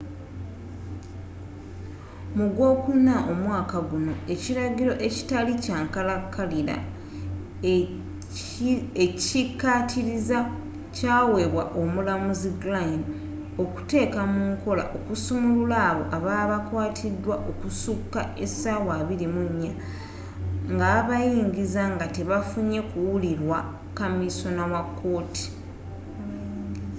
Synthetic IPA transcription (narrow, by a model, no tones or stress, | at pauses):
muɡwo̞ːkunːaʔo̞mwaːkaɡuno̞e̞ciɾaɡiɾo̞ʔe̞ci̥talicaːŋkalakːaliɾa̰ | eikːatʰiɾiza | caːwe̞βwaʔo̞mulamuziɡlain | o̞ku̥te̞ːkamuŋko̞la̰ʔo̞kusumululaːβo̞̰ʔaβaːβakwaːtʰidːwaʔo̞kusukːae̞sawaːβiɾimuɲːa | ŋɡaːβajiːɲɟizaŋɡate̞βafuɲe̞kuwuliɾwa | kamiso̞nawakʰːo̞ːtʰi̥